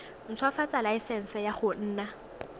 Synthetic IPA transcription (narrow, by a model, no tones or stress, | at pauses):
n̩t͡sʰwafat͡sʼalaɪsɛn̩sɛjaχʊn̩ːna